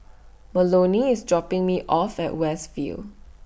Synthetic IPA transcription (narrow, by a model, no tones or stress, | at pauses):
məloniɪsdɹɔpɪ̃ŋmiʔɔfɛ̰ʔwɛstfḭl